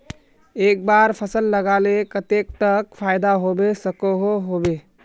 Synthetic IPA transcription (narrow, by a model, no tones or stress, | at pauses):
ek̚baɾpʰəsəlːəɡalekət̪ek̚t̪əkpʰajd̪aɦobesəkoɦoɦobe